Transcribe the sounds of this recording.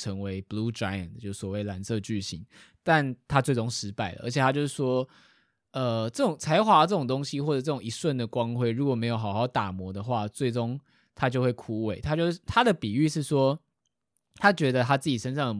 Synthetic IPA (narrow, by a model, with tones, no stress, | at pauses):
ə˧˥ŋwe˧˥ɪblu˦d͡ʒa˦˥ɪə̰˨nt͡ɕjo˥˧ʊ˥˩swɔ˨˩we˥˩ɪla˧˥nsɤ˥˧t͡ɕy˥˩ɕi˧˥˦ŋ | t̪a˥˨nt̪ʰa˦t͡swe˥˩ɪʈ͡ʂʊ˥ŋʂɻ̩˧˥pa˥˩ɪlə̰˨ʔə̰˧˥t͡ɕʰjɛ˨˩t̪ʰa˥t͡ɕjo˥˧ʊʂɻ̩˥˩ʂwɔ˥ | ə˧ʈ͡ʂɤ˥˩ʈ͡ʂʊ˨˩ŋt͡sʰa˧˥ɪxwa˧˥lə˧˩ʈ͡ʂɤə˥˩ʈ͡ʂʊ˨˩ŋt̪o˥ŋɕi˧xwɔ˥˩ɤ˨˩ʈ͡ʂɤ˥˩ʊ˨˩ŋi˧˥swə˥˩nd̪ə˩kwɑ˦ŋxwe˥˧ɪɻu˧˥kwɔ˨˩me˧˥ɪjo˨˩ʊxa˨˩ʊxɑ˥˩ʊt̪a˨˩mwɔ˧˥˦d̪ə˨xwa˥˨t͡swe˥˩ɪʈ͡ʂʊ˥ŋ | t̪ʰa˥t͡ɕjo˥˧xwe˥˩ɪkʰu˦we˨˩ɪt̪ʰa˥t͡ɕjo˥˧ʊ˩t̪ʰa˥d̪ə˨pi˨˩y˥˧ʂɻ̩˥˩ʂwɔ˥ | t̪ʰa˥t͡ɕɥɛ˧˥d̪ə˧t̪ʰa˥t͡sɹ̩˥˩t͡ɕi˨˩ʂə˥nʂ̬ɑ˥˩ŋd̪ə˩